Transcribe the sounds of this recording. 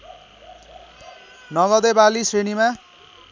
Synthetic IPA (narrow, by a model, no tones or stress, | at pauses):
nʌɡʌd̪ebalisenima